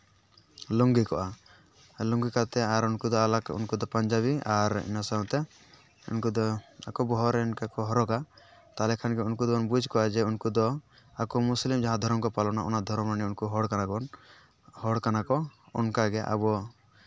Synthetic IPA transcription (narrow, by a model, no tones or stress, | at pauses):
lɔŋɡikɔʔa | lɔŋɡikat̪ɛaɾunkud̪ɔalakṵnkud̪ɔpaɲd͡ʒaβiaɾḭnasaɔ̃t̪ɛ | ṵnkud̪ɔakɔbɔɦɔɾɛnkakɔɦɔɾɔɡa | t̪alɛkʰanɡɛunkud̪ɔɔnbud͡ʒʱkɔʔad͡ʒɛunkud̪ɔ | akɔmuslimd͡ʒaɦãd̪ʱɔɾɔmkɔpalɔnaʔɔ̰nad̪ʱɔɾɔmɾaniunkuɦɔɽkanaɡɔn | hɔɽkanakɔɔ̰nkaɡɛʔa̰bɔ